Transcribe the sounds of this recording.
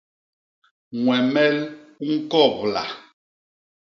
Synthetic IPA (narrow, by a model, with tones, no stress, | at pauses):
ŋwɛ˨mɛ˦lŋ̩˦kɔ˦˨pla˨